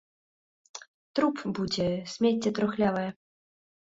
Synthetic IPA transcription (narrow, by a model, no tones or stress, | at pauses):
t̪ɾupbud͡zʲɛsʲmʲetʲːɛt̪ɾɔxlʲavɐjɛ